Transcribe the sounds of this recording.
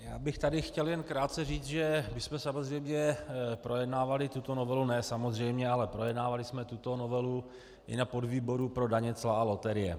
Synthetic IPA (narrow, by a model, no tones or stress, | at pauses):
jaːbɪxt̪adɪxcɛljɛnkɾaːt̪̚t͡sɛriːt͡s̪ʒɛmɪsmɛsamozrɛjmɲɛpɾo̞jɛdnaːvalɪt̪ut̪o̞no̞vɛlunɛːsamo̞zr̝ɛjmɲɛalɛpɾo̞jɛdnaːvalɪsmɛt̪ut̪o̞novɛlu | ʔɪ̰napo̞dviːbo̞ɾupɾo̞daɲɛt͡slaalo̞t̪ɛɾɪjɛ̰